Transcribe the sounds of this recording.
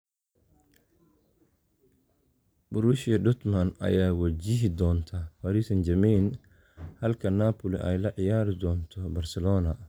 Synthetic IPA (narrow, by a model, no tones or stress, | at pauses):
bʊɾuʃjɐd̪ʊt̪mɐnɐ̰jaːwɐt͡ʃɪɦɪd̪ɔːnt̪ʰɐfɐɾisɐnd͡ʒɐmin | hɐlkʰɐnaːpʰʊlɪ̰ʔɛ̰jlɐʕɪjaːɾɪd̪ɔːnt̪ʰɔbɐrsɛlɔːnɐ